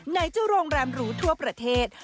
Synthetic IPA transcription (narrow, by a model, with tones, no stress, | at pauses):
na˧jt͡ɕuː˥˩ɾoː˧ŋɾɛː˧mɾuː˦˥t̪ʰu˥˩ɐpɾa˧t̪ʰeː˥˩t̪̚